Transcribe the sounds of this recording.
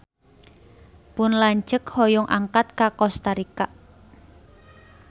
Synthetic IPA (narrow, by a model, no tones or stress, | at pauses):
pʊnlaɲd͡ʒəkhɔjʊŋʔa̰ŋkat̪̚kakɔst̪aɾikaʔ